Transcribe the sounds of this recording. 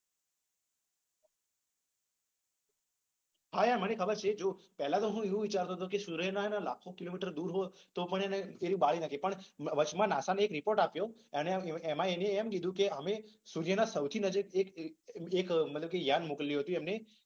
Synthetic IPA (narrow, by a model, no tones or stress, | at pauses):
ɦajãmənekʰəbəɾt͡ʃʰed͡ʒopɛɦlat̪oɦũeʋũʋɪt͡ʃaɾt̪oɦət̪okesuɾjənanalakʰokilomiʈəɾd̪uːɾɦot̪opəɳeneeɾibalinəkʰepəɳʋət͡ʃmãnasanːkɾɪpoɾʈapjoeneemãeneːmkid̪ʱũkeəmesuɾjənãsəʋt̪ʰinəd͡ʒəkekekmət̪ləbkejanmukəlliɦət̪ũemne